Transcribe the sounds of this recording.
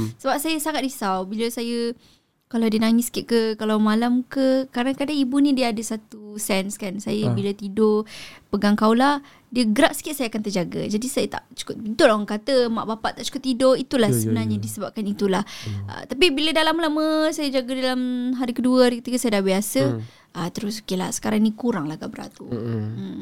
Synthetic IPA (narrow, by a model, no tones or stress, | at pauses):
səbap̚sajəsaŋat̪̚disawbiləsajə | kaladinaŋiskɪʔ̚kəkalawmalamkəkaɾdaŋkadaŋibunĩdiəadəsat̪usɛnskansajəbilət̪idopəɡaŋkawla | diəɡɾaʔ̚sə̥kɪt̪̚sajəakant̪əd͡ʒaɡə̰d͡ʒadisajət̪a̰ʔt͡ʃu̥kʊt̪̚bint̪ʊlaaŋkat̪əma̰ʔbapaʔt̪aʔt͡ʃu̥kʊt̪ːidoit̪ulahsəbənarɲadisəbap̚kanit̪ulahə̰t̪apibilədalamlaməsajəd͡ʒaɡədalamɦaɾikəduəɾəkət̪ikasajədahbiasə | ʔət̪əɾʊsu̥kila̰sə̥kaɾaŋnikuɾaŋlahɡabəɾa̰t̪u